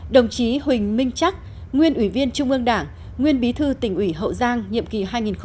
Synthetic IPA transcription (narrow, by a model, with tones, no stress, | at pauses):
ɗə˨˩wŋ͡mt͡ɕi˨˦ɦï˨˩ŋ̟mï˧ŋ̟t͡ɕa˦˥k̚ | ŋwi˧ənʔwi˧˩vi˧ənt͡ɕʊ˧ŋ͡mʔɨ˧əŋɗaː˧˩ŋ | ŋwi˧ənɓi˨˦t̪ʰɨ˧t̪ï˧˩ŋ̟ʔwi˧˩ɦə̰˧˨wzaː˧ŋɲḭ˧˨əmki˨˩ɦaː˧jŋi˨˩nx